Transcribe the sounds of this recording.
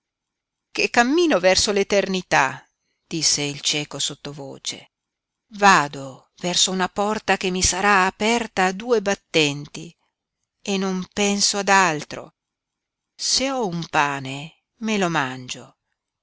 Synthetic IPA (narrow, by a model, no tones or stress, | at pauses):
kekːamːiːnovɛrsolet̪ernit̪a | d̪̥isːeilt͡ʃɛːkosot̪ːovo̰ːt͡ʃḛ | vaːd̪o | vɛrsounapɔrt̪ak̟emːisaɾaːpɛrt̪aːd̪uːebat̪ːɛnt̪i | enːompɛnsoad̪alt̪ɾo̰ | seɔumpaːne | melomand͡ʒo